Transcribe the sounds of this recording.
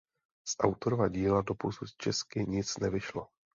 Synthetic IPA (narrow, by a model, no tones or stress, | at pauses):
sʔa̰wt̪o̞ɾovaɟiːlado̞pusut̪t͡ʃɛskɪɲɪt͡snɛvɪʃlo